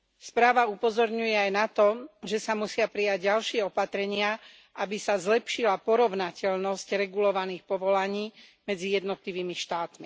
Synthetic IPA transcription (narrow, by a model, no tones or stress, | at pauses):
spɾaːʋaupɔzɔɾɲujɛajnat̪ɔʒɛsamusɪapɾijaɟɟalʃɪɛɔpat̪ɾɛɲɪa | ʔabisazlɛpʃilapɔɾɔʋnacɛʎnɔscɾɛɡulɔʋaniːxpɔʋɔlaɲiːmɛd͡zijɛd̪nɔt̪liʋiːmiʃt̪aːt̪mi